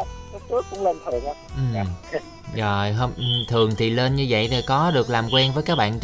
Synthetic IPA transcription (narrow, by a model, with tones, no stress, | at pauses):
ə˦˥t̪ɨ˦˥k̚ːʊ̰˧˥wŋ͡mle˧nt̪ʰə˨˩na˨˦ʔɨ˨˩m˦ | zo˨˩jɦo˧wŋ͡mʔt̪ʰɨ˨˩əŋt̪ʰi˨˩le˧nɲɨ˧və̰˧˨jt̪ʰi˨˩kɔ˨˦ɗɨ˨˩ək̚laː˨˩mkwɛ˧nvəː˨˦jkaː˦˥k̚ɓa̰ː˧˨n